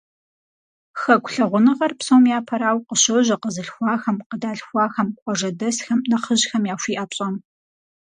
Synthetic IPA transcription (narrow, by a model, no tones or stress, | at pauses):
xɐkʷɬɐʁʷʊnɨʁɐrpsowmjaːpʰɐɾaːwqəɕɐʑɐqəzɨɬxʷɑːxɐmqədaːɬxʷɑːxɐmkʷʼɔʐɐdɐsxɐmnɐχəʑxɐmjaːɕʷiːʔɐɕʼɐm